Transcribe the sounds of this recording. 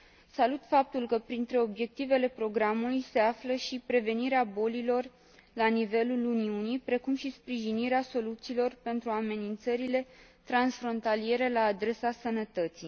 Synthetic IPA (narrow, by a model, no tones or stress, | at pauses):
salut̪fap̚t̪ulkəpɾint̪ɾe̞o̞bje̞k̚t̪ive̞le̞pɾo̞ɡɾamulujse̞afləʃipɾe̞ve̞niɾeabo̞lilo̞r | lanive̞luluniunipɾe̞kumʃispɾiʒiniɾeaso̞lut̪siːlo̞rpe̞nt̪ɾuame̞nint̪səɾile̞t̪ɾansfɾo̞nt̪alie̞ɾe̞laːd̪ɾe̞sasənət̪ət̪sij